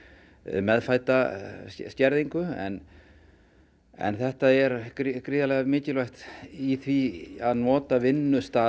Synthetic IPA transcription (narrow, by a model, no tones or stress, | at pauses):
mɛðfajt̪ascɛɾðiŋkʏɛ̰n | ɛ̰nθɛht̪aɛɾkɾkɾiːðalɛːɣamɪːcɪlvajht̪iθviaðnɔːt̪avɪnːʏst̪aː